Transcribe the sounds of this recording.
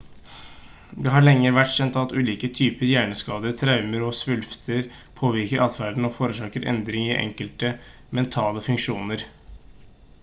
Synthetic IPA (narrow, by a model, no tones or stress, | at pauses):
d̪ɛɦɑɭɛŋːəɾʋæʈɕɛnt̪ɑt̪ʉːliːkət̪ʰyːpəɾjæːɳəskɑːd̪ət̪ʰɾɑʉməɾɔsʋʉlft̪ʰəɾ | pʰoːʋɪɾkəɾʔɑt̪fæɖ̪n̩ɔfoːɾəʂɑːkəɾʔɛ̰nd̪ɾɪŋɪʔɛ̰ŋkəlt̪ə | mɛnt̪ʰɑːləfʉŋkʂuːnəɾ